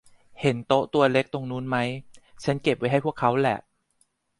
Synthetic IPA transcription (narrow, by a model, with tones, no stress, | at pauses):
he˩˦nt̪o˦˥ʔt̪u˧ɐle˦˥k̚t̪o˧ŋnuː˦˥nma˦˥jt͡ɕʰa˦˥nke˨˩p̚wa˦˥jɦa˥˩jpʰəkʰːa˦˥wlɛ̰˨˩ʔ